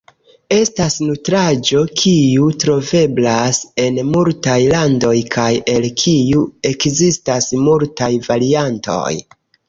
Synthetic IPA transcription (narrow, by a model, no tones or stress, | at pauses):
e̞stasnutɾad͡ʒo̞kʰijutɾo̞ve̞blase̞nmultajlando̞jkʰaje̞lkʰijue̞kzistasmultajvaɾianto̞̰j